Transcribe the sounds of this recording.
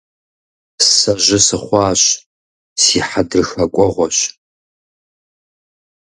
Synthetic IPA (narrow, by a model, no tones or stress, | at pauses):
ssɐʑɪsɨχʷɑːɕ | siːħadɨrxɐkʷʼɔʁʷɔɕ